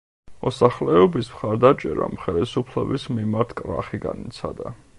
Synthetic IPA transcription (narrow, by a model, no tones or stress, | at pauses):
mɔsaχlɛɔbismχaɾd̪at͡ʃʼɛɾa̰mχɛlisupʰlɛbismimaɾt̪ʰkʼɾa̰χiɡanit̪sʰad̪a